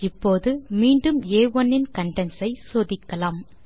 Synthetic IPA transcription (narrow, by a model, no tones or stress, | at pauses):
ɪpːoːðɯmiːɳɖɯmeːʋɔnːɪnkɐɳɖɛnsɐɪsoːðɪkːɐlaːm